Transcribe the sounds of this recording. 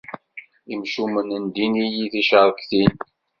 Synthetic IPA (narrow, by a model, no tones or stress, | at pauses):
imʃumənənd̪inijiθiʃəɾˤkθin